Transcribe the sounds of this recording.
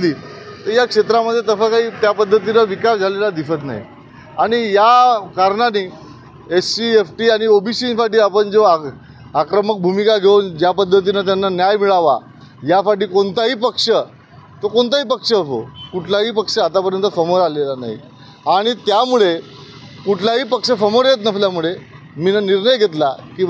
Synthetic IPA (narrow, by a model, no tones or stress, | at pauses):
liːt̪əɾjakʂet̪ɾaməd̪ʱjet̪əsakaɦiːt̪japəd̪ʱːət̪̬inaʋikasd͡zʱalelad̪ifət̪̬na̰ɦḭ | aɽ̃ijakaɾɳaniː | esiefʈiːaɽ̃iobʱisiːnsaʈiːapəɳd͡zoa | akɾəmək̚bʱumikaɡʱeund͡ʑjapəd̪ʱːət̪̬inat̪̬janːanjajmiɭaʋa | jafaʈ̬iːkont̪aɦiːpəkʂə | t̪okont̪aɦiːpəkʂəəfo̰kuʈʰlaɦiːpəkʂəat̪apəɾjənt̪əfəmoɾalelana̰ɦḭ | aɽ̃it̪jamuɭe | kuʈʰlaɦiːpəkʂəfəmoɾjet̪nəfljamuɭe | miːnaniɾnəjɡʱet̪̬lakĩ